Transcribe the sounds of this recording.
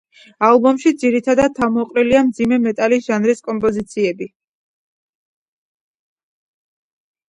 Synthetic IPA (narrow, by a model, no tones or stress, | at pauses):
alˠbɔmʃid̪ziɾit̪ʰad̪ad̪̚t̪ʰːamɔqʼɾiliamd̪zimɛmɛt̪ʼalisʒ̥anɾiskʼɔmpʼɔzit̪sʰiɛbi